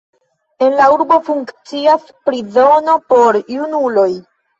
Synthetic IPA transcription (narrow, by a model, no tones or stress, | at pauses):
e̞nlauɾbo̞fuŋkt͡sias | pɾizo̞no̞po̞ɾjunulo̞j